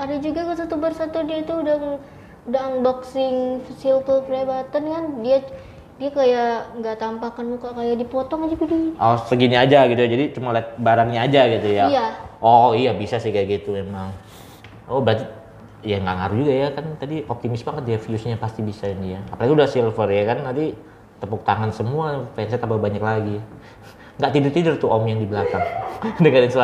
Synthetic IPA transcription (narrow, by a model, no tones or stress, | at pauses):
adad͡ʒuɡakasat̪ubərsat̪ʊdiait̪uːdaŋ | udaŋbɔksɪŋfisɪlt̪upɾebat̪ankandia | diakajaʔŋɡaʔt̪ampakanmukakajadipɔt̪ɔŋad͡ʒuɡadiosəɡiɲaːd͡ʒaɡit̪ujad͡ʒadit͡ʃumalat̪̚baɾaŋɲaːd͡ʒaɡit̪ujajaɔijabisasɪhkajaɡit̪umemaŋ | ɔbəɾat̪i | jaŋɡaʔŋaɾud͡ʒuɡajakant̪adiʔop̚t̪imɪsbaŋət̪̚diafiʊsɲapast̪ibisaindiaapalaɡiudahsilfərjakant̪ant̪i | t̪əpuk̚t̪aŋansəmuafɛnsɛt̪apabaɲaklaɡi | ŋɡaʔt̪idərt̪idərt̪uomjaŋdibəlakaŋdəŋaɾɪnsa